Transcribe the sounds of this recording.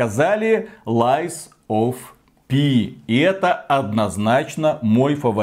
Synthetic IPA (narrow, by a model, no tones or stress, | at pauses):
ɐzalʲɪlˠajs | of | pʲiɪɛt̪əɐd̪nɐznat͡ɕnəmo̞jfəvɐ